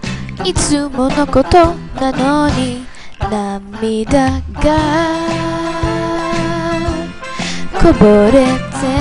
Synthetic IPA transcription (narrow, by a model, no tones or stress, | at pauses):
it͡sɨmonokot̪o | nanoɲi | namid̪aɡa | koboɾet͡se